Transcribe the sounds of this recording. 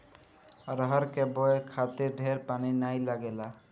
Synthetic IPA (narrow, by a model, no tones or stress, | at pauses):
aɾɔɦaɾkɛbɔekʰat̪eɖʱɛɾpaninajlaɡɛla